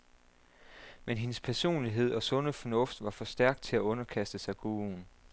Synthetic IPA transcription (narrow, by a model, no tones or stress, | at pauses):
menɦe̝nəspʰæɐso̝̰ːnliɦe̝ð̞̰ˠɒ̽sɔ̽nəfɒ̽nɔ̽fd̥ʋɑ̈fɒ̽sd̥æɐ̰ɡ̥̚d̥̚t͡sʰe̝læɔ̽nɐkʰæsd̥əsɑ̈ɪɡ̥uːun